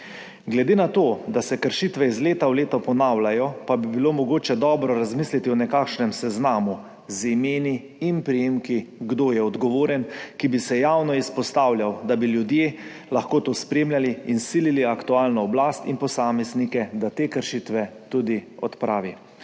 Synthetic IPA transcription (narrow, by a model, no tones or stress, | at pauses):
ɡlɛd̪eːnat̪oːd̪asɛkəɾʃit̪ʋɛizleːt̪awleːt̪ɔpɔnaːwlajɔpabibiloːmɔɡoːt͡ʃɛd̪ɔːbɾɔɾazmislit̪iɔnɛkaːkʃnɛmsɛznaːmu | zimeːniː | npɾijeːmkiɡd̪oːjɛɔd̪ɡɔʋoːɾjɛnkibisɛjaːwnɔispɔst̪aːwljawd̪abiljud̪jeː | laxkoːt̪oːspɾeːmlʲjaliːnsililiakt̪uaːlnɔːblaːst̪inpɔsaːmɛznikɛd̪at̪eːkəɾʃit̪ʋɛt̪ud̪iɔt̪pɾʔaːʋi